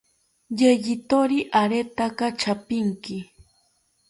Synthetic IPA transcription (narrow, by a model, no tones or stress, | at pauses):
jeʎɪt̪oɾiʔaɾet̪akat͡ʃapɪŋkɪ